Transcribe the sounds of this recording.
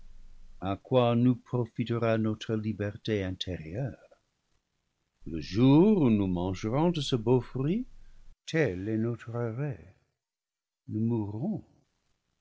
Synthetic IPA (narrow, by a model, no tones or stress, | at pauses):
akwanupχofitəʁanot̪χəlibɛʁteɛ̃t̪ʰeʁjœːʁ | ləʒuːʁunumɑ̃ʒəʁɔ̃dəsəbofʁitʰɛlɛnot̪χaʁɛ | numuʁɔ̃